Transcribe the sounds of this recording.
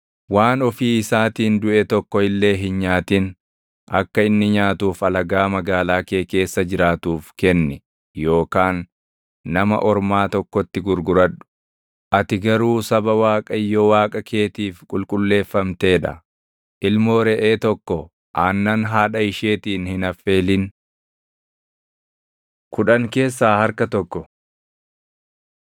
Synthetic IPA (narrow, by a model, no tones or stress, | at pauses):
waːnɔfiːɪsaːt̪iːnd̪ʊʔɛt̪ɔkːɔɪlːe̞ːɦɪnɲaːt̪iːn | ʔɐ̰kːɐɪnːɪɲaːt̪uːfɐlɐɡaːmɐɡaːlaːke̞ːke̞ːsːɐd͡ʒɪɾaːt̪uːfkɛnːɛ | jo̞ːkaːnː | ɐmɐ̰ʔɔɾmaːt̪ɔkːɔt̪ːɪɡʊɾɡʊɾɐᶑʊ̥ | ʔɐt̪ɪɡɐɾuːsɐbɐwaːkʼɐjːɔwaːkʼɐkʰe̞ːt̪iːfkʼʊlkʼʊlːe̞ːfːɐmt̪e̞ːᶑɐ̰ | ʔɪlmo̞ːɾɛʔeːt̪ɔkːɔ | ʔaːnːɐnɦaːᶑɐɪʃe̞ːt̪iːnhɪnɐfːe̞ːlɪn | kʰʊᶑɐŋke̞ːs̬ːaːhɐɾkɐt̪ɔkːɔ